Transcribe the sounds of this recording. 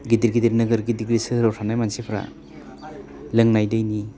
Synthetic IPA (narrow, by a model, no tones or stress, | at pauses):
ɡidiɾɡidiɾnɯɡɯɾɡidiɡɾisɯɯɾawtʰanajmansepʰɾa̰ | lɯŋnajdɯjni